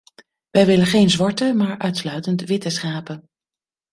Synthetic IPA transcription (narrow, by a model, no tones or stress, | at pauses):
ʋɛjʋɪlənχejnzʋɑɹtəmaːɹʔœɥtslœɥtəntʋɪtəsχaːpən